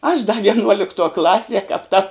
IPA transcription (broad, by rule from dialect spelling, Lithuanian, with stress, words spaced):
ɐʃ dɐ ʋʲiɛnˈuɔlʲɪktuɔ ˈklˠɑːsʲiɛ kɐp tɐ